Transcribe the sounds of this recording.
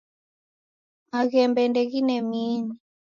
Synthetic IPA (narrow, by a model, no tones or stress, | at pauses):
maɣɛmbɛndɛɣinɛmini